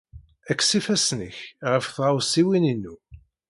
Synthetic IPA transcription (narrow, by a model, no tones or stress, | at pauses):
ækːsifæsnəçʁəfθʁawsiwininːu